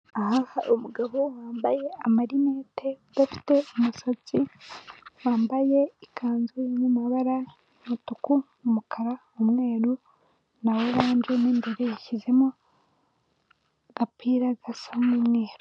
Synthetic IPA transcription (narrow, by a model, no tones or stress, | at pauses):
ahahaʔomuɡaβowaːmbaje̞amaɾime̞ːte | bafi̥te̞omusat͡si | waːmbaje̞ikʰaːnzuiɲamaβaɾa | mutukumumukʰaɾa | omŋe̞ːɾu | nawe̞βaːnd͡ʒeneːmbe̞ɾejaçize̞mo | ɡ̥apʰiːɾaɡasamineːɾo